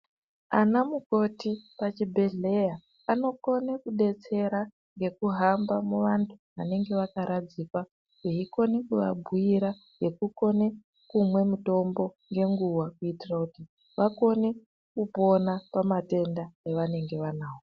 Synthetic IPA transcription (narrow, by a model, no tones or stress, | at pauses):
anamuko̞tipat͡ʃibʱe̞ɮe̞ja | ano̞ko̞nekuɗe̞t͡se̞ɾa | ŋɡe̞kuɦambamuʋantʰu̥ʋane̞ŋɡe̞ʋakaɾad͡zikwa | eiko̞nekuʋa̰bʱujiɾa | ɡe̞kuko̞ne | kumwe̞muto̞mbo̞ŋɡe̞ŋɡuwakuitirakuti | ʋako̞ne̞ | kupo̞napamate̞ndaeʋane̞ŋɡe̞ʋanaːwo